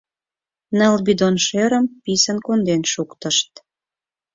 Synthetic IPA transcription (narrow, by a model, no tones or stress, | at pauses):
nəlbid̪onʃeɾə̆mpisənkond̪enʃukt̪ə̆ʃt̪